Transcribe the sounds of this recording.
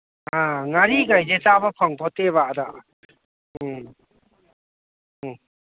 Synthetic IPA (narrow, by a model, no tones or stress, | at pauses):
aŋaɾiɡajzet͡ʃabapʰaŋpʰɔteβada